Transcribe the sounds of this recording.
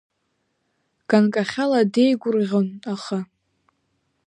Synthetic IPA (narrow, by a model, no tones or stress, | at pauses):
ɡ̥ankʼaχʲaladejɡʷʊrʁʲonaχa